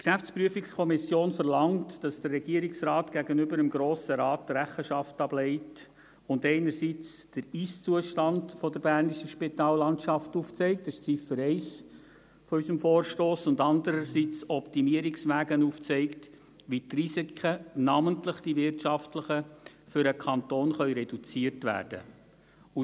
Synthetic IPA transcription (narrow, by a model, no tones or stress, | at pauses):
kʃæft͡spryəfikskʰɔmɪsjoːnfəɾlɑŋtd̥ɑsd̥ərːɛɡ̥iəɾiksrɑːtɡ̥æɡənʏbəɾəmɡɾoːsəɾɑːt̚dəɾæχəʃɑftɑb̥lɛɪt | ʊndɛɪnəɾsit͡sd̥əɾist͡suəʃtɑndfɔdəɾb̥ærniʃəʃpitɑːlːɑntʃɑftuft͡sɛɪk̚tɪst͡sifəɾɛɪs | fɔysəmfɔːɾʃtoːsʊndɑndəɾəsit͡sɔptimiəɾɪksʋæːɡənuft͡sɛɪkt | ʋitrisikʰənɑməntləχd̥iʋɪrtʃɑftləχəfʏɾəkʰɑnt̪oːnχœʏɾɛdut͡siəɾtʋæ̰ːrd̥ə̰ | u